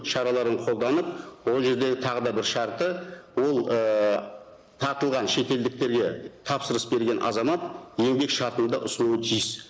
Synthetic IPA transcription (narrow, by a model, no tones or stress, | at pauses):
ʃɑɾɑlˠɑɾəɴqʰo̞lˠd̪ɑnəp̚wo̞lˠʒe̞ɾd̪e̞ɡʲɪt̪ʰɑʁəd̪ɑbɪɾʃɑɾt̪əwo̞lˠə | t̪ʰɑɾt̪əlˠʁɑnʃe̞t̪e̞ld̪ɪk̚t̪e̞ɾɡʲe̞t̪ʰɑpsəɾəsbe̞ɾɡʲe̞nʔɑ̰zɑmɑt̪̚je̞ŋbe̞kʃɑɾt̪ənd̪ɑ̰ʔʊsənuwət̪ʰijɪs